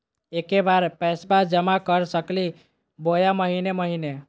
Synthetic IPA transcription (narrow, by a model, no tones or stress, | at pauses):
ekebaɾpɛsbad͡ʒəmakəɾsəkli | bojaməɦineməɦine